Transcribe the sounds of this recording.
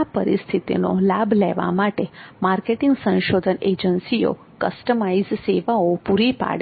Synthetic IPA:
apəɾist̪ʰit̪ḭno̰labʱlɛ̰ʋa̰maʈemaɾkeʈɪŋɡsə̃nʃod̪ʱəned͡ʒənsio̰ | kəsʈəmaizseʋaopuɾipa̰ɽ

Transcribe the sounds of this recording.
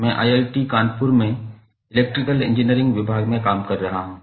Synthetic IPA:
mɛ̃ːʔa̰ːjeːlʈikãːnpʊɾmẽ | ɪleːk̚ʈɾɪkəlɪ̰̃nd͡ʒɪnijəɾɪ̃ŋɡʋɪbʱaːɡmẽkaːmkɐɾːɐɦaɦũː

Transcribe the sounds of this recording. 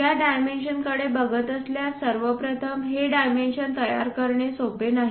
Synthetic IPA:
jaɖajmenɕənkəɽebəɡət̪əsljasəɾʋəpɾət̪ʰəmɦeɖajmenɕənt̪əja̰ɾkəɾɳesopenaɦi

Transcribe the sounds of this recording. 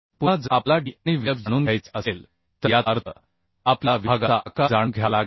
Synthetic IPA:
puad͡zaplaɖiniːʋibd͡zəɽ̃uːnɡʱajt͡səsel | t̪əjaəɾt̪ʰə | aplaʋiaɡaakad͡zanɡʱjalaɡ

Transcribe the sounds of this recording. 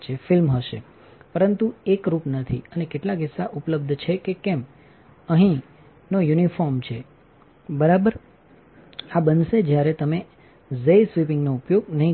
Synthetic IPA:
t͡ʃʰefɪlmɦəʃḛ | pəɾənt̪uekɾupnət̪ʰiənekeʈlaɡɪsːaʔupləb̚d̪ʱt͡ʃʰekekem | əɦĩ | nojunifɔɾmt͡ʃʰe | bəɾabəɾ | abənʃed͡ʒjaɾet̪əme | zejsʋipɪŋɡnoupjoɡ̚nəɦĩ

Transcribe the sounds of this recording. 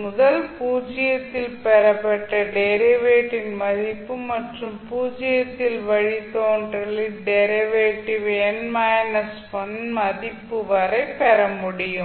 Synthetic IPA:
mʊðɐlpuːd͡ʒɪjɐt̪ːɪlpɛɾɐpːɛʈːɐɖeɾiʋeːʈːinmɐðipːɯmɐʈrɯmpuːd͡ʒɪjɐt̪ːɪlʋɐɻit̪oːɳɖrɐliɖɛɾiʋeːʈːiʋeːnmaːjɐnɐspɐnmɐðipːɯʋɐɾɐɪpɛɾɐmuɽɪjɯm

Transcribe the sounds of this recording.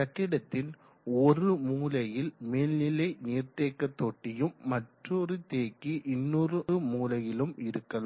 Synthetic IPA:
sɐʈːɪɽɐt̪ːɪl | ɔrɯmuːlɐjɪlmeːlnɪlɐɪneːrt̪eːkːɐt̪ːoːʈːɪjɯmːɐʈrɔɾɯt̪eːkːiʔɪnːɔrɯɯmuːlɐjɪlɯmɪɾɯkːɐlɯ

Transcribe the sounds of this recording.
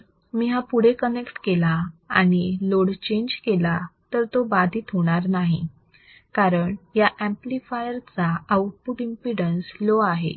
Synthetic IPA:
miːɦapuɽ̤ekənekʈkelaːɽ̃iloɽt͡ɕẽɲd͡ʑkelat̪əɾt̪obad̪ʱiːt̪ɦoɽ̃aɾnaɦi | kaɾəɳjaʔæ̃mplifajəɾt͡saəʋ̚puɾimpiɽənsloaɦḛ

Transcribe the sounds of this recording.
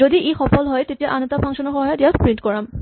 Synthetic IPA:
odiʔexɔpɔlɦɔjtetijaʔanɔtapʰɔŋʃɔnɔɹxɔɦajɔdiaspɹintkɔɹam

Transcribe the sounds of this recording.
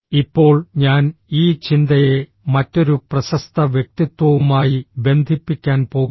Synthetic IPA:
ipːo̞ːɭɲaːniːt͡ɕind̪ɐje | mɐtːo̞ɾuprɐɕɐst̪ʰɐʋjek̚t̪it̪wɐʋumaːjibe̞nd̪ʱipːikʲːaːnpo̞ː

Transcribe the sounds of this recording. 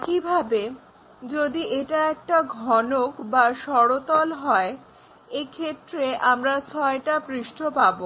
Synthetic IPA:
kibʱabe | d͡ʑod̪iʔeʈaɛk̚ʈaɡʱɔnokbaʃɔɾot̪ɔlɦɔe | ekʰet̪ːɾeʔamɾat͡ɕʰɔeʈapɾiʃʈʰopabo

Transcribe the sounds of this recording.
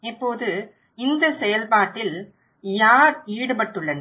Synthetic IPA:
ɛpːoːðɯ | ɪnd̪ɐsɛjɐlpaːʈːɪl | jaːɾiːɽɯpɐʈːɯɭːɐn

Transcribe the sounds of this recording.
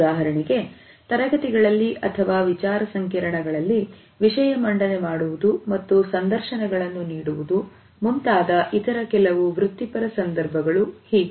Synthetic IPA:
aːɦɐɾɐɳiɡe̞ | t̪ɐɾɐɡɐt̪iɡɐɭɐlːiʔɐt̪ʰɐʋaːʋit͡ʃaːɾɐsɐŋkɐɾɐɳɐɡɐɭɐlːi | ʋiʂɐjɐmɐɳɖɐnemaːɽuʋud̪umɐt̪ːusɐnd̪ɐɾʃɐnɛɡɐɭɐnːuniːɽuʋud̪u | munt̪aːd̪ɐʔit̪ɐɾɐkɛlɐʋuʋɾut̪ːipɐɾɐsɐnd̪ɐɾbʱɐɡɐɭuhiːɡ

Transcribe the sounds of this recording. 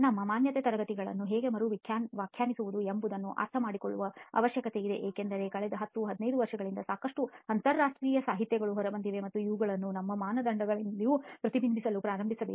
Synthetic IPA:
nɐmːɐmaːnjɐt̪eːt̪ɐɾɐɡɐt̪iɡɐɭɐ̰nːuɦeːɡe̞mɐɾuʋikʰjaːnʋaːkʰjaːnisuʋud̪uembud̪ɐnːuʔa̰ɾt̪ʰɐmaːɽikoɭːuʋɐɐ̰ʋɐʃjɐkɐt̪e̞id̪e̞̰ʔeːkend̪ɐɾe̞kɐɭɛd̪ɐɦɐt̪ːuɦɐd̪inɐjd̪uʋɐɾʂɐɡɐɭind̪ɐsaːkɐʂʈuɐnt̪ɐɾːaːʂʈɾiːjɐsaːɦit̪jɛɡɐɭuɦɔɾɐbɐnd̪iʋe̞mɐt̪ːuiʋuɡɐɭɐnːunɐmːɐmaːnɐd̪ɐɳɖɐɡɐɭiijupɾɐt̪ibʱinbʱisɐlupɾaːɾɐmbʱisɐbeː

